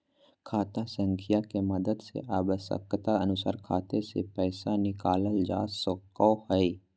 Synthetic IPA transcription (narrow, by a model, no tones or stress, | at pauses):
kʰaːt̪asə̃ŋkʰijakemɐd̪əd̪sḛʔaːʋəʃə̰kːt̪aɐnʊsa̰ːɾkʰaːt̪esḛpɛːsanɪkaːləld͡ʒa̰ːsɔkɔːhɛi